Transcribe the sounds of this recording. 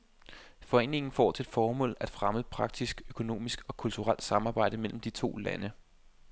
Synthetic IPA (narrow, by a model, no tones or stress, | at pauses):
fɒ̽e̝̰ːne̝ŋn̩fɒ̰ːt͡sʰe̝d̥fɒːmɔ̰̽ːlæd̥fʁaməpʰʁɑ̈ɡ̥̚d̥isɡ̥økʰo̝no̝̰ːmisɡ̥ɒ̽kʰult͡sʰuʁal̰d̥sɑ̈mɑ̈ːb̥ɑ̈ɪ̰d̥əmel̰m̩d̥it͡sʰo̝̰ːlæ̰nə